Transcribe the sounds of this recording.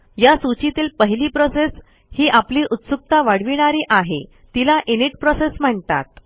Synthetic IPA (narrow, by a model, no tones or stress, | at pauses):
jasut͡ɕit̪iːlpəɦiliːpɾoses | hiːʔapliːʔut̪suk̚t̪aʋaɽ̤ʋiɽ̃aɾiːʔaɦe | t̪ilaʔeniʈ̚pɾɔsesm̤əɳt̪a̰t̪